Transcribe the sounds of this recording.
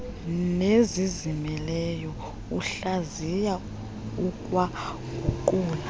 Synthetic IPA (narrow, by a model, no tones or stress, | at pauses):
nezizimɛlɛjɔ | uɬazija | ukʼwa | ɡʱukʼuːla